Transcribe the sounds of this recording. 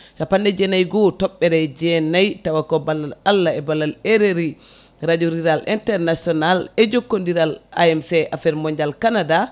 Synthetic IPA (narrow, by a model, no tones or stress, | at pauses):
ʃapandɛd͡ʒɛnajɡɔtɔɓːɛɾɛd͡ʒɛnajtawakɔbalːaalːaɛbalːaleɾeɾi | ɾad͡ʒoɾiɾalḭntɛɾnasiɔnalɛd͡ʒokːondiɾala̰ɛmsɛʔafɛɾmɔɲd͡ʒalkanada